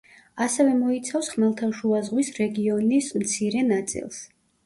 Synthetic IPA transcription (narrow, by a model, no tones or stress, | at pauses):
asɛvɛmɔit̪sʰafsχmɛlˠt̪ʰaʃuazʁwisɾɛɡiɔnismt̪sʰiɾɛnat̪sʼḭlˠs